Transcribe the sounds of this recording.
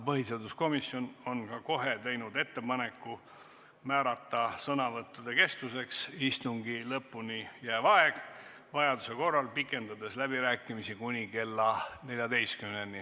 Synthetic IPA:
pɤɦised̪usko̞misjo̞no̞nkɑko̞ɦet̪e̞jnud̪e̞t̪ːe̞pɑne̞kːu | mæːɾɑt̪ːˑɑsɤnɑvɤt̪ːˑud̪̥e̞ke̞st̪use̞ksist̪uŋɡilɤpːunʲijæːvɑeɡ̥ | vɑjɑd̪use̞ko̞rːɑlpikːˑe̞nd̪ɑd̪e̞slæbiɾæːkːˑimisikunʲike̞lːɑne̞lʲjɑd̪e̞jst̪kymnenːi

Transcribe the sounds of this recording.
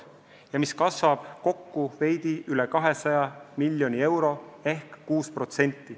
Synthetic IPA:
jɑmiskɑsvɑb̥ko̞kːuve̞jd̪iʔylekɑɦe̞sɑjɑmilʲjo̞nʲie̞wɾo̞e̞hkːuːspro̞t̪se̞nʲt̪ːi

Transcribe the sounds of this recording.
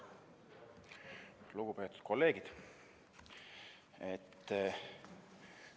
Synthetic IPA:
luɡ̥upe̞ːt̪ːˑu̥t̪̚ko̞lːe̞ːɡ̥id̪̥ | et̪ː

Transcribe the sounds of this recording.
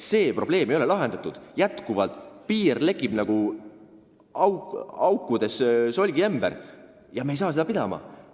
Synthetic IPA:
se̞ːpro̞b̥le̞ːmejo̞lelɑɦe̞nd̪ɑt̪ːˑud̪̥jæt̪kuvɑlt̪ˑpiːrle̞kːib̥nɑɡ̥u | ɑwɑwkːˑud̪̥e̞sso̞lʲɡiemb̥ḛɾ | jɑmejs̬ɑːsed̪ɑpid̪̥ɑ̰mɑ̰

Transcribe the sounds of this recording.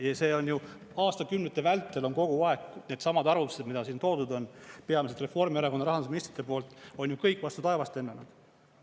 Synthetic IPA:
jɑse̞ːo̞nju | ɑːst̪ɑkymnet̪ːˑevælt̪ːe̞lo̞nko̞ɡ̥uɑe̞ɡne̞d̪̥sɑmɑd̪ɑrvumu̥sed̪mid̪ɑsiːnt̪o̞ːd̪ud̪o̞npe̞ɑmised̪re̞fo̞rmieɾɑko̞nːɑɾɑɦɑnd̪usminist̪ri̥t̪ːˑepo̞ːlt̪o̞njukɤjkːˑvɑst̪ut̪ɑe̞vɑst̪e̞nːenud̪̥

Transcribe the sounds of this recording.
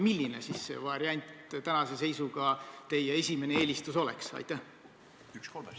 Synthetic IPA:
milʲːine̞sisːe̞̰vɑɾiɑnʲt̪t̪ænɑse̞se̞jsuɡ̥ɑt̪e̞jee̞sʲime̞nee̞ːlʲist̪uso̞lḛksɑ̰jt̪ːæh | ykskolm

